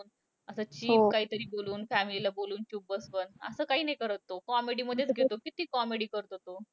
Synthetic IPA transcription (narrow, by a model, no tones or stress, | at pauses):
n | əsəːt͡ɕiːfkaɦiːt̪əɾiːboluːnfæmililaboluːnt͡ɕuːbbəsʋənə̰səːkaɦiːnajkəɾət̪ːokɔmeɽiːməd̪ʱːjet͡sɡʱet̪okit̪iːkɔmeɽiːkəɾt̪ot̪o